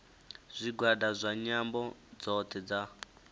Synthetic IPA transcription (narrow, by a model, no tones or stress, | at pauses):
z̥ʷiɡwadazʷaɲambɔd͡zɔt̪ʰɛd͡za